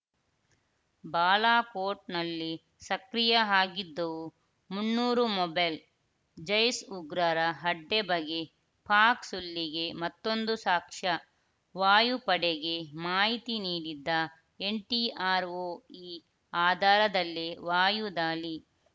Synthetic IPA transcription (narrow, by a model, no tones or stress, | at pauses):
baːlaːkoːɾʈ̚nɐlːi | sɐkɾijɐɦaːɡid̪ːɐʋu | munːuːɾumɔbɐjl | d͡ʒɐjsuɡɾɐɾɐɦɐɖːebɐɡe | pʰaːksulːiɡe̞mɐt̪ːo̞nd̪usaːkʂɐ | ʋaːjupɐɽeɡe̞maːɦit̪iniːɽid̪ːɐ | eɳʈiaːɾoːiː | aːd̪ʱaːɾɐd̪ɐlːiʋaːjud̪aːli